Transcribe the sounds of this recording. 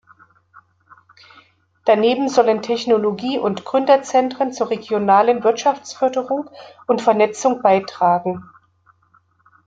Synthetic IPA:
d̥aneːbm̩zɔləntʰɛçnoloɡiːʔʊntɡ̥ʁʏndɐt͡sɛntʁ̥ənt͡suːɐʁeɡjonaːlənvɪɐtʃaft͡sfœɐdəʁʊŋ | ʊntfɛɐnɛt͡sʊŋb̥aɪtʁ̥aːɡŋ̩

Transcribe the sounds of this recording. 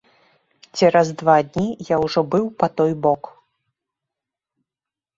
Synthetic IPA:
t͡sʲɛɾɐzd̪vad̪ʲnʲijawʐɔbɨwpat̪ɔjbɔk

